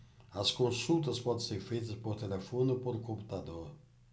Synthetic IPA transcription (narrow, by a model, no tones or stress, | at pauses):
ɐskõsut̪ɐspɔd̪ẽseɾfejt̪ɐspoɾt̪elefonʊpoɾʊkõmpu̥t̪ad̪oɾ